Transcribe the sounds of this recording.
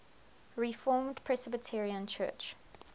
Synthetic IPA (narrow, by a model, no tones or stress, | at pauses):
ɹifɔːmdpʰɹɛsɛbətʰɪɹiə̃nt͡ʃʰɜ̰ːt͡ʃ